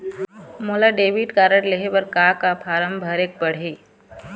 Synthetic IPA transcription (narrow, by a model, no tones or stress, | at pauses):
moːlaɖeːʋiʈkaːɾəʈleɦebɐɾkaːkapʰaːɾəmbʱəɾeːk̚pɐɽ̤iː